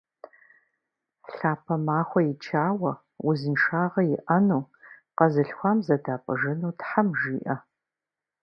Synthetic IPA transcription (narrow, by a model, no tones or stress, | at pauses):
ɬaːpʰɐmaːχʷɔjɪt͡ʃʰaːwɐ | wʊzɨnʂaːʁɐjɪʔɐnuː | qɐzɨɬxʷaːmzɐdaːpʼəʒɨnuːtħamʒiːʔɐ